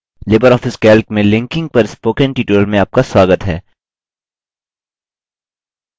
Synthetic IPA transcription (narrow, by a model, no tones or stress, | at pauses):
leːbəɾɔːfɪskɛːlkmẽlɪ̃ŋkɪ̃ŋɡ̚pɐɾɪspoːkɛ̃nʈiːʈuːlmẽaːp̚kaswaːɡət̪ɦɛː